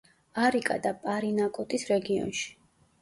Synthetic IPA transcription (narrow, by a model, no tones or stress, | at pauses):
aɾikʼa̰d̪apʼaɾinakʼɔt̪ʼisɾɛɡiɔ̰nʃi̥